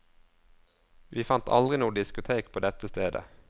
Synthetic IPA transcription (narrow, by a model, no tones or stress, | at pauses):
ʋʔiːfɑnt̪ʰɑ̰ld̪ʁɪnuːɖɪskʊt̪ʰeːkpʰoːd̪ɛt̪əst̪eːd̪ə̰